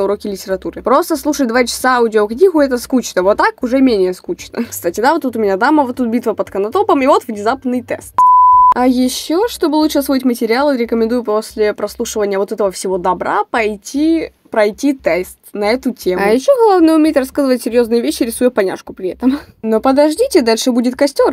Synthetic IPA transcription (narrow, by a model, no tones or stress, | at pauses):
ʊɾo̞kʲɪlʲɪtʲɪɾɐt̪uɾɨpɾo̞st̪əslˠuʂəd̪vat͡ɕɪ̥saaudʲɪoknʲiɣʊɛt̪əskut͡ɕnəvot̪ːakʊʐɛmʲenʲɪjəskut͡ɕnə̰kst̪atʲɪd̪avot̪ːut̪ʊmʲɪnʲad̪aməvot̪ːut̪̚bʲit̪vəpət̪kənɐt̪o̞pəmivo̞t̪vnʲɪzapnːɨjt̪ɛ̰st̪ɐjɪɕːoʂt̪o̞bɨlˠuʂɨɐsvoɪtʲmətʲɪɾʲɪalˠɨɾʲɪkəmʲɪ̃nd̪ujʊpo̞sʲlʲɪpɾɐslˠuʂɨvənʲɪjəvo̞t̪ɛt̪əvəfsʲɪvo̞d̪ɐbɾa̰pɐjtʲi | pɾɐjtʲit̪ɛst̪nɐɛt̪ʊtʲemɐjɪɕːoɡɐlˠavnɨjʊmʲeɪt̪rɐskazɨvətʲsʲɪɾʲjo̞znɨjəvʲeɕːɪɾʲɪsujʊpɐnʲa̰ʂkʊpɾʲɪɛt̪əmno̞pəd̪ɐʐdʲitʲɪd̪alʲʂɨbudʲɪt̪kɐsʲtʲo̞r